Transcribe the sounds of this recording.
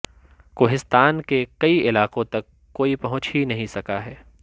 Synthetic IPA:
koːɦɪst̪aːnkekɐiʔɪlaːqõt̪ɐkːoːipɐɦʊ̃t͡ʃɦinɐɦĩsɐkaɦɛː

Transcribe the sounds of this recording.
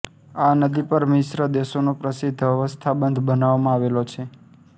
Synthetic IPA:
anəd̪ipəɾmɪʃɾəd̪eʃonopɾəsɪd̪ʱːʋəʋəst̪ʰabənd̪ʱbənaʋamãaʋelot͡ʃʰe

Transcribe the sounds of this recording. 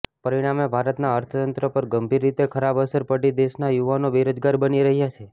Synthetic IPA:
pəɾiɽ̃amebʱaɾət̪naəɾt̪ʰət̪ənt̪ɾəpəɾɡəmbʱiɾːit̪ekʰəɾabəsəɾpəɽid̪eʃnajuʋanoʋiɾod͡ʒɡaɾbəniɾəɦjat͡ʃʰe

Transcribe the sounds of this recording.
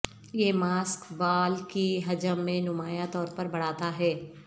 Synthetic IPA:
jeːmaːskbaːlkiɦɐd͡ʒəmːẽnʊmaːjat̪ɔːɾpɐɾbɐɽ̤aːt̪aɦɛː

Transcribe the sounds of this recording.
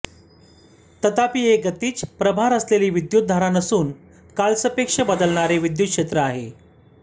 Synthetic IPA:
t̪ət̪apiːeɡət̪iːt͡spɾəbʱaɾəsleliːʋid̪jut̪̚d̪ʱaɾanəsuːn | kalsəpekʂəbəd̪əlɳaɾeʋid̪jut̪̚kʂet̪ɾəaɦḛ

